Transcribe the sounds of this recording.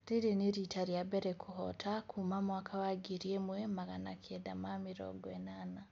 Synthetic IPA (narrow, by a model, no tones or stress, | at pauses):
ɾiɾiniɾitʰaɾjabɛɾɛkʰuhɔtʰakʰumamoakʰawaɡiɾjemwemaɣana̰kʰɛda̰mamiɾɔ̰ɡwɛnana